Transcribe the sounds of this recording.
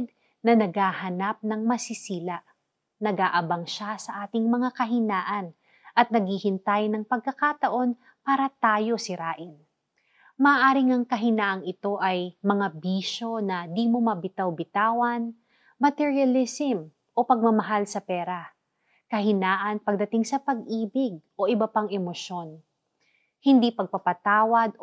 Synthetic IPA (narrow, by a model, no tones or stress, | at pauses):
d̪̚ | nɐnɐɡaːhɐnap̚nɐŋmɐsɪsiːlaʔ | nɐɡaːʔɐbaŋʃasɐʔaːt̪ɪŋmɐŋakɐɦɪnaːʔɐn | ʔɐt̪̚nɐɡ̚hihɪnt̪ajnɐŋpɐɡ̚kɐkat̪ɐʔo̞n | paːɾɐt̪aːjo̞sɪɾaːʔɪn | mɐːʔaːɾɪŋɐŋkɐɦɪnaːʔɐŋɪt̪o̞ʔɐjmɐŋabiːʃo̞nɐd̪imomɐbɪt̪awbɪt̪aːwɐn | mɐt̪ɛɹiɐlɪsɪm | ʔo̞pɐɡ̚mɐmɐɦalsɐpɛːɾɐ | kɐhɪnaːʔɐnpɐɡ̚d̪ɐt̪ɪŋsɐpɐɡʔiːbɪɡ̚ʔo̞ʔɪbɐpaŋɛmoʃo̞n | hɪnd̪ipɐɡ̚pɐpɐt̪aːwɐd̪̚